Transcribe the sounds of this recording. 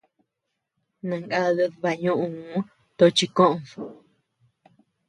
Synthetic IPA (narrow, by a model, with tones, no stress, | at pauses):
nã˨ŋɡa˦˧ðe˧ðβa˧ɲũ˦ʔũ˧˨˦ | t̪o˧t͡ʃi˧kõ˦ʔõ˧˨o˨